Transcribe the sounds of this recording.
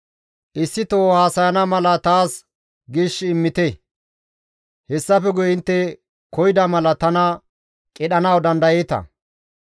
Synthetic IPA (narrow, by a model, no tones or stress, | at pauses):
ʔɪsːɪt̪oːhaːsɐjɐnɐmɐlɐt̪aːs | ɡiːʃːɪːmːɪt̪ɛ | hɛsːɐfɛɡʊjɪnt̪ːɛ | kɔjɪd̪ɐmɐlɐt̪ɐnɐ | kʼɪɗɐnɐwd̪ɐnd̪ɐjɛt̪ɐ̰